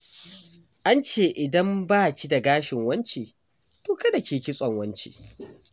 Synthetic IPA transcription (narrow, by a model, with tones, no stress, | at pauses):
ʔa˦nt͡ʃeː˦˨ʔɪ˨dɐ˦mbaː˦˨kʲi˦da˨ɡaː˦ʃɪ˨ŋwɐ˦nt͡ʃiː˨ | toː˨kɐ˦da˨kʲeː˨kʲi˦sʼɔ˨ŋwɐ˦nt͡ʃḭː˨